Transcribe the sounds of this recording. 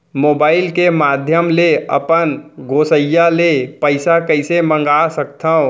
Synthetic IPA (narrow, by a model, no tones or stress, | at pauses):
moːbaːɪlkemaːd̪ʱjəmleə̰pənɡoːsəjːalepəɪsakəɪsemə̃ŋɡasək̚t̪ʰəõ